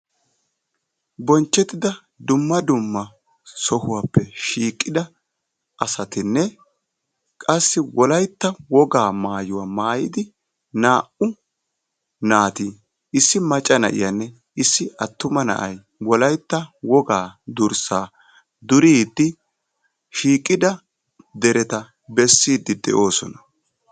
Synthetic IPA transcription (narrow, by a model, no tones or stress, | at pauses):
bɔnt͡ʃːɛt̪ɪd̪ɐ | d̪ʊmːɐd̪ʊmːɐ | sɔhʊwaːpːɛʃiːkʼːɪd̪ɐ | ɐsɐt̪ɪnːɛ | kʼɐsːɪwɔlɐjt̪ːɐwɔɡaːmaːjʊwaːmaːjɪd̪ɪ | naːʔʊ | naːt̪iː | ɪsːɪmɐt͡ʃʼːɐnɐ̰ʔɪ̰janːɛ | ɪsːɪɐt̪ːʊmɐnɐ̰ʔɐj | wɔlɐjt̪ːɐwɔɡaːd̪ʊɾsaː | d̪ʊɾiːd̪ːɪ | ʃiːkʼːɪd̪ɐ | d̪ɛɾɛt̪ɐ | bɛsːiːd̪ːɪd̪ɛ̰ʔo̞ːsɔ̰nɐ̥